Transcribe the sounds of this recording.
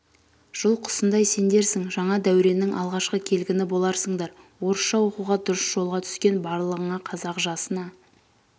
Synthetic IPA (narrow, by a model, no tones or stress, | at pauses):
ʒ̥ʊlˠqʰʊ̥sənd̪ɑjse̞nd̪e̞ɾsɪŋʒɑɴɑd̪æwɾe̞nɪŋʔɑ̰lˠʁɑʃqəkʲʰe̞lɡʲɪnɪbo̞lˠɑɾsəɴd̪ɑɾ | wo̞ɾəsʃɑwo̞quʁɑd̪ʊɾəsʒ̥o̞lˠʁɑt̪ʰʏ̥skʲe̞nbɑɾlˠəʁəɴɑqʰɑzɑqʒɑsənɑ